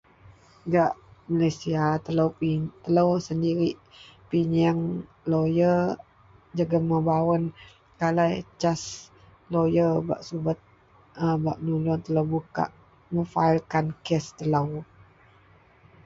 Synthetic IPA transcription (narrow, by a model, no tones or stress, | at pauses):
ɡaʔmalajsiat̪ələwpit̪ələwsəndiɾiʔpiɲəŋ | lojə | d͡ʒaɡəməbawən | kalajt͡ʃas | lojərba̰ʔsubət̪̚ | əbaʔənulɔnt̪ələwbuka̰ʔ | məfaɪlkankɛst̪ələw